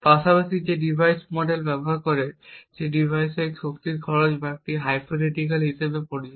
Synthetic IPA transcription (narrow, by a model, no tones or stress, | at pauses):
paʃapaʃid͡ʑeɖibʱajsmɔɖelbɛboɦaɾkoɾeʃeɖibʱajsekʃok̚t̪iɾkʰɔɾod͡ʑbaek̚ʈiɦajpʰoneʈik̬alɦiʃebepoɾid͡ʑ